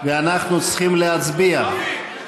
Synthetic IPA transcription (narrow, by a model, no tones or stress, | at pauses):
veanaχnut͡sχimleɦat͡sbia